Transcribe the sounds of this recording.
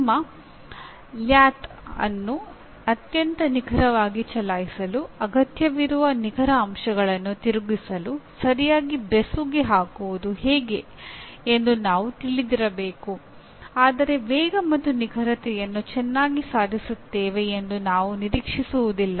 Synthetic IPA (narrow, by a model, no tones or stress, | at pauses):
mːɐ | ljaːt̪ | ɐ̰nːu | ɐt̪jɐnt̪ɐniɡʱɐɾɐʋaːɡit͡ʃɐlaːjisɐluɐɡɐt̪jɐʋiɾuʋɐniɡʱɐɾɐːmʃɐɡɐɭɐnːut̪iɾuɡisɐlusɐɾijaːɡibɾesuɡeɦaːkuʋud̪uhɛːɡe̞ | end̪unaːʋut̪iɭid̪iɾɐbeːku | aːd̪ɐɾe̞ʋɛːɡɐmɐt̪ːuniɡʱɐɾɐt̪ɛjɐnːut͡ʃɛnːaːɡisaːd̪ʱisut̪ːeːʋe̞ːnd̪unaːʋuniɾiːkʂisuʋud̪ilːɐ